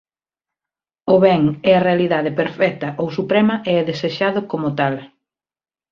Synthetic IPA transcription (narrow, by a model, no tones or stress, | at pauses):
ʊβɛŋɛɐrealiðaðepeɾfɛk̚t̪ɐʔowsupɾɛmɐʔeɛðeseʃaðʊkomʊt̪al